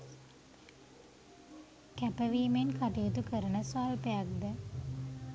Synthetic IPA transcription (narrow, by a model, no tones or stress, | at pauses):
kæpəʋiːmenkaʈijot̪ukəɾənəsaːlpejak̚d̪ə